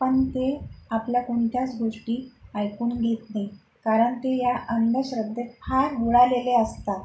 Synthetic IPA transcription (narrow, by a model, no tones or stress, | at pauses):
pəɳt̪eapljakoɳt̪ʰjat͡sɡʱoʂʈiːajkuːnɡʱet̪ne | kaɾəɳt̪ejaʔənd̪əɕɾəd̪ʱːəpʰaɾʋuɭaleleəst̪a